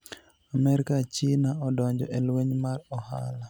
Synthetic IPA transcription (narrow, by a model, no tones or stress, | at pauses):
amɛɾikat͡ʃinaɔdɔɲd͡ʒɔʔɛlweɲmarɔha̰la